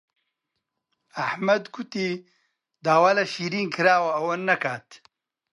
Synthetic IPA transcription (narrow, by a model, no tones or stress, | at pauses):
ɐħmɐd̪ɡut̪i | d̪aːwaːlɐʃiːɾiːnkʰɨɾaːwɐɐwɐnːɐkaːt̪